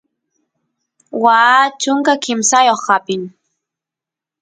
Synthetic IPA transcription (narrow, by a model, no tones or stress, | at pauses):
wat͡ʃʊŋkakɪmsajoχːapɪŋ